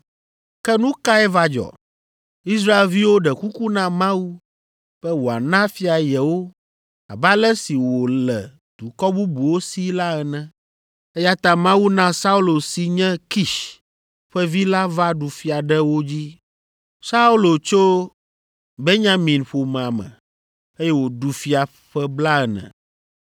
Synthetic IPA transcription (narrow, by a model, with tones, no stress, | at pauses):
kɛ˦nũ˦ka˦ɛ˦va˦d͡ʒɔ̰˨ | i˦sɾa˦e˨lvi˦wo˦ɖɛ˨ku˦ku˦nã˦mã˦wu˦ | ɸɛ˦wo˨a̰˨nã˦fi˦a˨jɛ˨wo˦ | a̰˨ba˦lɛ˦si˨wo˨lɛ̰˨ | d̪̥u˨kɔ˦bu˦bu˨wo˦si˦la˦ɛ˨nɛ̃˦ | ɛ˦ja˦t̪ã˦mã˦wu˦nã˦sa˦u˦lo˨si˨ɲɛ̃˦ki˦˨ʃ | ɸɛ˦vi˦la˦va˦ɖu˨fi˦a˨ɖɛ˦wo˦d͡ʑi˦ | sa˦u˦lo˨t͡ʃo˦ | be˦ɲã˦mĩ˨nɸo˨m̃˨a˨mɛ̰̃˨ | e˦jɛ˦wo˨ɖu˨fi˦a˨ | ɸɛ˦bla˦ɛ˨nɛ̰̃˨